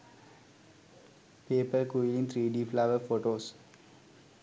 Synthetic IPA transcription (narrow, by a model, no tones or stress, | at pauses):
peːpəɾkujlĩŋt̪ʰɾiːɖiːflaʋəfoʈoːs